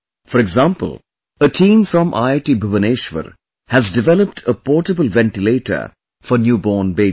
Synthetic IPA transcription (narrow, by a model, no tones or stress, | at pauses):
fɔɾɛɡzãːmpə̰l | əʈʰĩːmfɾɔ̃mʔa̰ɪʈibəʋəneːʃʋə̰ɾ | hæzɖɪʋɛləp̚ʈʰəpɔːʈəbəlʋɛ̃nʈɪleːʈə̰ | fɔɾnjuːbɔːnbeː